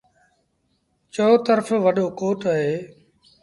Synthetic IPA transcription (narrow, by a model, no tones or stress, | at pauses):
t͡ʃoːt̪əɾfʋəɗoːkoːʈəɦeː